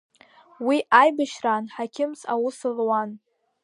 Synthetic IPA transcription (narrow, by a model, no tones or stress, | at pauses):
wiʔajbaʃranħakʲʰɪmsa̰wʊsɨrwan